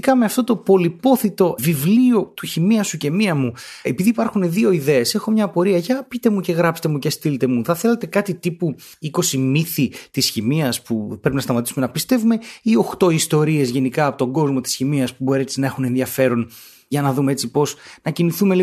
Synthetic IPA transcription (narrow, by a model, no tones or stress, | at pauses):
kɐme̞ɐft̪o̞t̪o̞po̞lipo̞θit̪o̞vivlio̞t̪uçimiɐsuce̞miɐmuepiðiːpɐɾxune̞ðio̞iðe̞ːse̞xo̞mɲɐpo̞ɾiɐʝɐpit̪e̞muce̞ɣɾɐpse̥t̪emuce̞st̪ilet̪e̞muθɐθe̞let̪e̞kɐt̪it̪ipu | iko̞simiθit̪isçimiɐspupɾepinɐst̪ɐmɐt̪i̥sume̞nɐpist̪e̞vume̞io̞xt̪o̞ist̪o̞ɾie̞zʝe̞nikɐːpo̞t̪o̞ŋɡo̞zmo̞t̪i̥sçimiɐspubo̞ɾiet͡sinɐe̞xune̞nðiɐfe̞ɾo̞n | ʝɐnɐðumee̞t͡sipo̞snɐciniθumeli